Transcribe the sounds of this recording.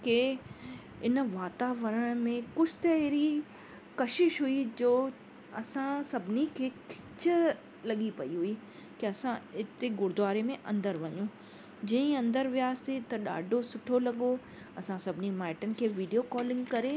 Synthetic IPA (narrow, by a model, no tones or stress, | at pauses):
ke | ɪnʋaːt̪aːʋəɾəɽ̃mẽkʊt͡ʃʰt̪ɐɦɾi | kɐʃɪʃɦʊid͡ʑoː | ɐsãsɐbʱɪnikʰeːkʰɪ̥t͡ɕ | lɐɠipɐiɦʊi | keɐsãɪt̪eɡʊɾd̪aːɾemẽʔɐ̃nd̪əɾʋɐɲũ | d͡ʑɐ̃ĩɐ̃nd̪əɾʋjaːst̪et̪ɐɗa̰ːɖʱosʊʈʰolɐɠo | ɐsãsɐbʱɪnimaːɪʈənkʰeːʋiːɖijokɔːlɪ̃ŋɡkɐɾe